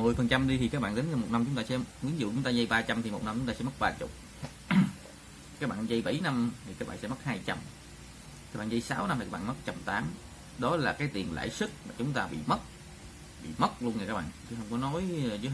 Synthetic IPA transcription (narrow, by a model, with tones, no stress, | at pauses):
mɨ˨˩əjfə˨˩nt͡ɕa˧mɗi˧t̪ʰi˨˩kaː˦˥k̚ɓaː˧nli˨˦ŋza˧˩mo˨˩t̚na˧mt͡ɕʊ˦ŋ͡mt̪aː˧sɛ̰˧˥kwi˨˦ənzṵ˧˨t͡ɕʊ˨˦ŋ͡mt̪aː˧zə˧jɓaː˧t͡ɕa˧mt̪ʰi˨˩mo˨˩t̚na˧mt͡ɕʊ˧˦ŋ͡mt̪aː˧ɛ̰˧˥m˦˥t̚ɓaː˧t͡ɕʊ̰˨˩k͡p̚ | kaː˦k̚ɓa̰ː˧˨nzə˧jɓə̰˧˩jna˧mt̪ʰi˨˩kaː˦k̚ɓa̰ː˧˨sɛ˧˥˦mə˦˥t̚haː˧jt͡ɕa˧m | kaː˦k̚ɓaː˧˨zə˧jsaː˨˦wna˧mt̪i˨˩kːaː˦˥˩ɓ̰ːm˦˥t̚t͡ɕa˧mt̪aː˨˦m | ɗɔ˨˦laː˨˩kaː˨˦jt̪i˨˩ənla̰ː˧˨jsɨ˦˥t̚maː˨˩t͡ɕʊ˨˦ŋ͡mt̪aː˧ɓḭ˧˨mə˦˥t̚ | ɓḭ˧˨mə˦˥t̚lu˧ənŋ˨˩kaː˦˥k̚ɓa̰ː˧˨t͡ɕɨ˨˦ɦə˧wŋ͡mkɔ˨˦no˨˦jt͡ɕɨ˨˦